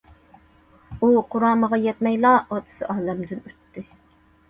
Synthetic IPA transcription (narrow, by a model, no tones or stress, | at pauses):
uqʰʊɾɑːməʁɑjɛt̪mɛjlˠɑːɑt̪ʰɨ̥sɨʔɑːlɛmd̪ɪnyt̪ːɪ